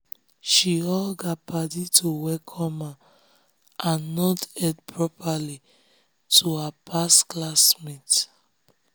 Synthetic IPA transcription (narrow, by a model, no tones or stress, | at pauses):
ʃiɔlɡapaditʰuwɛkʰɔ̃ma | ʔãnːɔtɛdpʰɹɔpʰali | tʰuhapʰasklasmit